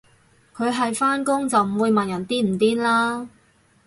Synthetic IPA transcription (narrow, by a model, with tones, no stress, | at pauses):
kʰɵ˨˧ɥɦɐ˨jfaː˥nkʊ˥ŋt͡sɐ˨wm̩˨˩wuː˨˧jmɐ˨njɐ˨˩nt̪iː˥m̩˨˩t̪iː˥nlaː˥